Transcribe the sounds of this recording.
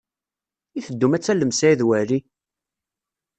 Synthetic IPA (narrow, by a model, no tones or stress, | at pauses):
iθəd̪ːumæt͡sːæləmsæiðwæɾi